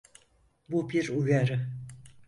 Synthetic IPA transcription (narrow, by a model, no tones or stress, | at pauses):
bubiɾujaɾɯ